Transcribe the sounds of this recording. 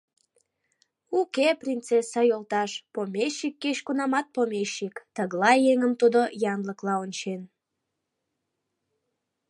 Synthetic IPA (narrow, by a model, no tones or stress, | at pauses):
ukeprʲint͡sesɑjolt̪ɑʃpomʲeʃːikːeɕkunɑmɑt̪̚pomʲeʃːikt̪əɣlɑjeŋəmt̪ud̪ojɑnləklɑonʲt͡ɕen